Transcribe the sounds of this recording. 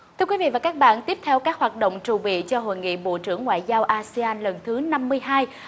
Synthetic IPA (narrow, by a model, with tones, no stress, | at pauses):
t̪ʰɨ˧əkwi˨˦vḭ˧˨vaː˨˩kaː˦˥k̚ɓa̰ː˧˨nt̪i˦˥əp̚t̪ʰɛ˧wkaː˦˥k̚hwaː˨˩t̚ɗo̰˧˨wŋ͡mt͡ɕu˨˩ɓḭ˧˨t͡ɕɔ˧ɦo̰˧˨jŋḭ˧˨ɓo̰˧˨t͡ɕɨ˧˩əŋːwa̰ː˧˨jzaː˧wʔaː˧si˧aː˧nlə˨˩nt̪ʰɨ˨˦na˧mːɨ˧əjɦaː˧j